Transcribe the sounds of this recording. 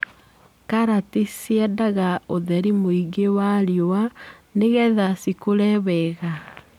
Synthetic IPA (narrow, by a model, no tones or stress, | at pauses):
kaɾatisiɛdaɣaoðɛɾimoiɡewaɾjoaneɣɛðasikoɾɛβɛɣa